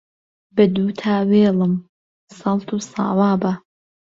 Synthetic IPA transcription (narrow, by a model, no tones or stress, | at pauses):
bɐd̪uːtʰaːweːlɨm | sɐlt̪ʰusɑ̰ːwaːba